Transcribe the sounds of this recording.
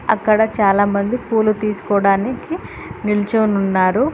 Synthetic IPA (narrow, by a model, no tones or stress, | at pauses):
ɐkːɐɽɐt͡ʃaːlaːmɐnd̪ikuːlut̪iːsu̥kɔːɽaːniki | nilt͡ʃoːnunːaːɾu